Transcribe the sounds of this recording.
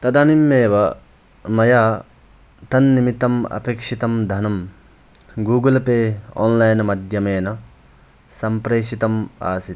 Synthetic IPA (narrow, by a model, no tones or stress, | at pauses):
t̪ɐd̪aːnimːeːʋɐ | mɐjaː | t̪ɐnːimit̪ːɐmɐ̰pekʂit̪ɐmd̪ʱɐnɐm | ɡuːɡɐlɐpeːo̰ːnlɐjnɐmɐd̪ʱjɐmeːnɐ | sɐmpɾeːʃit̪ɐma̰ːsit̪